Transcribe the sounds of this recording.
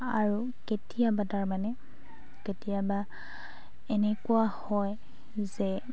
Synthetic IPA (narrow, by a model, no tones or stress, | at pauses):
aɹu | ketijabadaɹmanɛ | ketijaba | enekuahɔj | zɛ